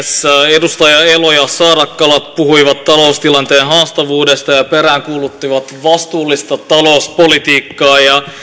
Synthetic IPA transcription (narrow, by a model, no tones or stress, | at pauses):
sedust̪ɑjɑelojɑsɑːɾɑkːɑlɑt̪̚puɦuiʋɑt̪ːɑlo̞ust̪ilɑnt̪eːnɦɑːst̪ɑʋuːdest̪ɑjɑpeɾæːŋkuːlut̪ːiʋɑt̪ʋɑst̪uːlːist̪ɑt̪ɑlo̞ːspolit̪iːkːɑːjɑ